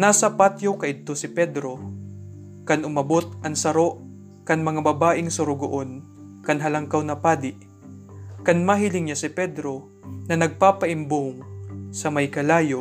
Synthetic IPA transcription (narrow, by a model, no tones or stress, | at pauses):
naːsɐpat̪jowkɐʔɪd̪̚t̪o̞sɪpɛd̪ɾo̞ | kɐnʔʊmɐbot̪̚ʔɐŋsɐɾo̞ʔ | kɐnmɐŋabɐbaːʔɪŋsʊɾʊɡʊʔon | kɐnɦɐlɐŋkawnɐpaːd̪ɪʔ | kɐnmaɦɪlɪŋɲasɪpɛd̪ɾo̞ | nɐnɐɡ̚paːpɐʔɪmboŋsɐmɐjkɐlaːjo